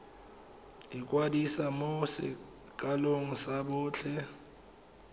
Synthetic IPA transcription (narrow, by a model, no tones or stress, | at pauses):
ik̬ʼwadisamosɛ̰ | k̬ʼaloŋ̩saɓʊːt͡ɬʰɛ